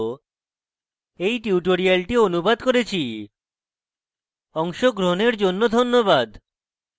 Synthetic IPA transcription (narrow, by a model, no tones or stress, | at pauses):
ejʈiuʈoɾialʈionubad̪koɾet͡ɕʰi | ɔŋʃoɡɾoneɾd͡ʑonːod̪ʱonːobad̪